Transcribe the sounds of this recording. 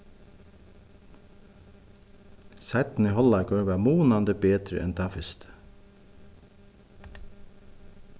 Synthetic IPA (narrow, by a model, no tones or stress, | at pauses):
sæɪt̪n̩iːhɔlɑkɑːʋæːmuːnɑnd̪əbeːt̪ɾə̰ʔɛ̰nt̪ʰɑːfɪst̪